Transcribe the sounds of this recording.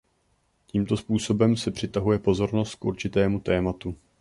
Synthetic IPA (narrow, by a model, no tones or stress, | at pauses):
ciːmt̪o̞spuːso̞bɛmsɛpr̝̥ɪt̪aɦujɛpo̞zo̞ɾno̞st̪̚kʔuɾt͡ʃɪt̪ɛːmut̪ɛːmat̪u